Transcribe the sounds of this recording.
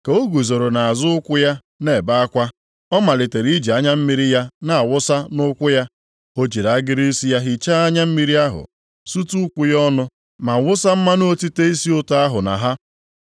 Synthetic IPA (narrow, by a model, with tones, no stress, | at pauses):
ke˨o˦ɡu˨zo˨ɾo˨na˨a˨zʊ˦ʊ˦kʷʊ˦ja˦ | ne˨ba˦a˦kʷa˦ | ɔ˦ma˨lɪ˨te˨ɾi˦d͡ʒe˨a˦ɲa˦m̩˦mi˦ɾi˦ja˦na˨a˨wʊ˦sa˦nʊ˦kʷʊ˦ja˦ | o˦d͡ʒi˨ɾa˨a˦ɡɪ˦ɾi˦si˦ja˦ɦi˦t͡ʃa˦a˦ɲa˦m̩˦mi˦ɾi˦a˦ɦʊ̰˨ | su˦tu˦kʷʊ˦jɔ˦nʊ˦ | ma˨wʊ˦sa˦m̩˦ma˦no˦o˦ti˦te˦i˦si˦ʊ˦ta˦a˦ɦʊ˨na̰˨ɦa˦